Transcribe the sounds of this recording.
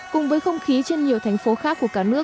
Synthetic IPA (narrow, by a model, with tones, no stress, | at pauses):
kʊ˨˩ŋ͡mvəː˨˦jxə˧wŋ͡mxi˨˦t͡ɕe˧nɲi˨˩əwt̪ʰɛ˨˩jŋ̟fo˨˦xaː˦˥k̚ːu˧˩əkaː˧˩nɨ˦˥ək